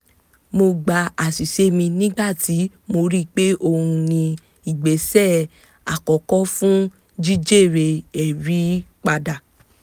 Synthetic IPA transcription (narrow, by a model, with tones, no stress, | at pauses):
mo˧ɡ͡ba˧a˨si˨ʃe˨˦mĩ˧nĩ˦ɡ͡ba˦˨ti˨˦ | mo˧ɾi˦k͡pe˦ʔo˧hũ˧nĩ˧ | i˨ɡ͡be˨˦sɛ˦˨ | a˨kɔ˨kɔ˦fũ˦ | d͡ʒi˦d͡ʒe˦˨ɾe˧ɛ˨ɾi˨˦k͡pa˧da˨